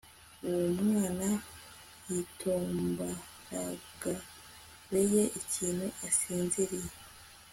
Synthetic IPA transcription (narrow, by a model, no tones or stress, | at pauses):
uwomŋaːna | jitʰoːmba | ɾaɡ̥a | βeje̞ʔiciːnhuʔasiːnziɾije